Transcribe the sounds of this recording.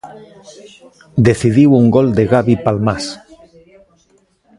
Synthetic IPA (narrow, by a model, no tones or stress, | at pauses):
d̪eθiðiwuŋɡold̪eɣaβipalmas